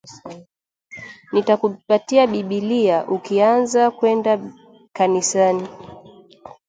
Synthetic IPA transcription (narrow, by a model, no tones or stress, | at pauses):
nitakupatiaɓiɓiliaʔukianzakwɛnda | kanisani